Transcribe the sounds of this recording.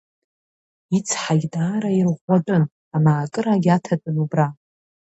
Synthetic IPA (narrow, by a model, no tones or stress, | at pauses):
it͡sʰħaɡʲdaːɾairʁʷaʈ͡ʂʼɨn | amaːkʼɨɾaɡʲatʰatʼɨnubra